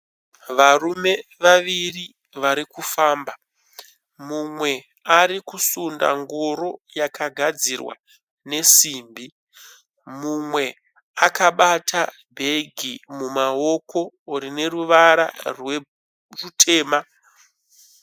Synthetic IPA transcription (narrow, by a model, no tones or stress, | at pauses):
ʋarume̞ʋaʋiri | ʋaɾikufaːmba | mumwe̞ | aɾikusunda̰ŋɡoɾo̞jakʰaɡʱad͡zirwa̰ | ne̞siːmbi | mumwe̞ | akaɓata | bʱe̞ɡʱimumao̞kʰo̞uɾine̞ruʋaɾa̰rwe | rutʰe̞ːma